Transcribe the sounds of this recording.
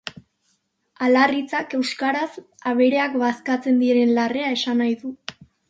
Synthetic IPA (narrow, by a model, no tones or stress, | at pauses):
alarit͡sake̞wskaɾas | aβe̞ɾe̞akbaskat͡se̞nd̪ieɾe̞nlare̞ae̞sanajðu